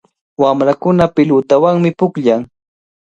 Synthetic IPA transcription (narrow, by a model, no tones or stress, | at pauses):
wamɾakʊnapɪlʊt̪awaŋmɪpʊkʎaŋ